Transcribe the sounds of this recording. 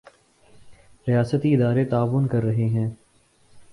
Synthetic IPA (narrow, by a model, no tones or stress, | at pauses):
ɾijaːsət̪iɪd̪aːɾet̪aːʋʊnkɐɾːɐɦeɦɛ̃ː